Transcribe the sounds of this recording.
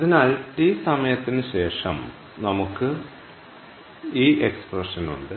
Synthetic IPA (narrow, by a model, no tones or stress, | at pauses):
ɐðinɐlʈisɐmɐjɐt̪ːinɨɕe̞ːʂɐ̰m | nɐmukːɨ | iːʔeksprɐʂɐnṵɳɖɨ